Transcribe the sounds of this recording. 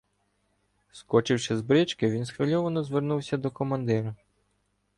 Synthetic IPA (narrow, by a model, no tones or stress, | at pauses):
skɔt͡ʃɪwʃɪzbɾɪt͡ʃkɪʋʲinsxʋɪlʲɔʋɐnɔzʋernuwsʲɐd̪ɔkɔmɐnd̪ɪɾʊ